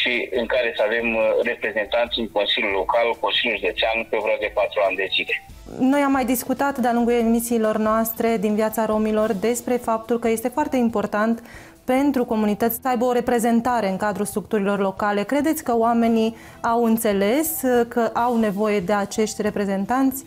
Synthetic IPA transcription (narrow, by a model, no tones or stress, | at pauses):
ʃiɨŋkaɾe̞səave̞mre̞pɾe̞ze̞nt̪ant̪sʲɨŋko̞nsilʲjulːo̞kalkonsilʲjulʒud̪o̞t͡ʃeanpeovɾoad̪e̞pat̪ɾuand̪e̞zile̞ | no̞jamːajd̪iskut̪at̪d̪ealuŋɡujemisiːlo̞rnoast̪ɾe̞d̪invjat̪saɾo̞milo̞rd̪e̞spɾe̞fap̚t̪ulkəje̞st̪e̞foart̪e̞impo̞rt̪ant̪ | pe̞nt̪ɾuko̞munit̪ət̪sʲsəajbəoɾe̞pɾe̞ze̞nt̪aɾe̞ɨŋkad̪ɾust̪ɾukt̪uɾilo̞rlo̞kale̞kɾe̞d̪e̞t̪sʲkəoame̞ni | awɨnt̪se̞le̞skəʔawne̞vo̞je̞d̪e̞at͡ʃe̞ʃt̪ʲre̞pɾe̞ze̞nt̪ant̪sʲ